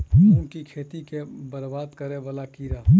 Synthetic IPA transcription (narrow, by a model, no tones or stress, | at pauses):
ʊnkikʰeːt̪ikebɐɾbaːd̪kɐɾẽʋɐlakiːɾaː